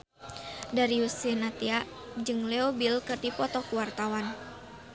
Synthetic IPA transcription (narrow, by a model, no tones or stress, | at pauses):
daɾiusinat̪iaʔ | d͡ʒɨŋlɛɔbilkɨrdipɔt̪ɔkuwart̪awan